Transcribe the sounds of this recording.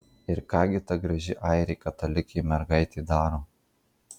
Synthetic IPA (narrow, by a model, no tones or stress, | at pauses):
ɪɾkɑːɡʲɪt̪ɐɡɾɐʒʲɪʔɑˑɪɾʲɛɪkɐt̪ɐlʲɪkʲɛɪmʲɛɾɡɐɪt̪ʲeːd̪ɑːɾoː